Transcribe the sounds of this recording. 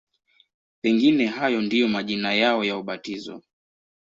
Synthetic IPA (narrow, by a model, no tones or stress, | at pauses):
pɛŋɡinɛɦajɔndijɔmaʄinajaɔjauɓatizɔ̰